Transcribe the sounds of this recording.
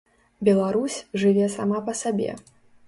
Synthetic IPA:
bʲɛlˠaɾusʲʐɨvʲɛsa̰mapɐsabʲɛ̰

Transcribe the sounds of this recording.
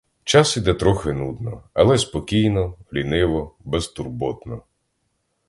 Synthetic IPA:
t͡ʃɑsid̪ɛt̪ɾɔxɪnud̪nɔɐlˠɛspɔkʲijnɔlʲinɪʋɔbɛst̪urbɔt̪nɔ

